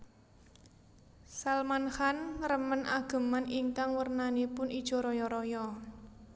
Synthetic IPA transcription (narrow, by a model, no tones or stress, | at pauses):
salmanxanrəmənʔaɡ̥ə̤maniŋkaŋwərnanipʊnʔid̥ʒ̥ɔ̤ɾɔjɔɾɔjɔ